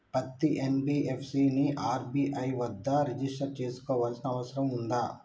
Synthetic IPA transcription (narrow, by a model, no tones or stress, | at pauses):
pɐt̪ːiʔenbiːʔepʰsiniʔaːɾbiːʔɐjʋɐd̪ːɐɾid͡ʒisʈɐɾt͡ʃe̞ːsu̥kɔːʋaːlsɐnɐɐʋɐsɐɾɐmund̪aː